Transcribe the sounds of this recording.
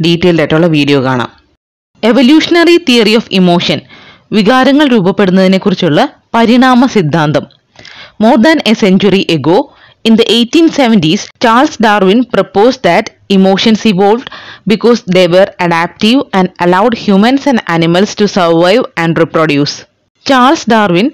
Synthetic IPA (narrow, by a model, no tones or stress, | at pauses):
ɖiːtːeːletːuɭːɐʋiːɖijo̞ːka̰ːɳɐ̰m | eʋoljuːʂɐnɐrit̪ijɐrioːfimo̞ːʂɐn | ʋiɣaːɾɐŋːɐɭɾuːbɐpːe̞ɽunːɐðine̞kːurit͡ɕːuɭːɐpɐɾiɳaːmɐsid̪ʱːaːnd̪ɐmː | oːrd̪ɐneseɲt͡ɕuriʔeɡoː | ind̪ɐʔejtːĩːnseʋɐntist͡ɕaːlsɖaːrʋinpropoːsɖd̪ɐt | imoːʂɐnsiʋoːlʋɖbikoːsd̪eːʋerɐɖæːp̚ʈiʋæ̃nɖɐlɐwɖhjuːmɐ̃nsɐ̃nɖæ̰ːnimɐlstusɐɾʋɐjʋæ̃ɳɖriproɖjuːs | t͡ɕaːlsɖaːrʋin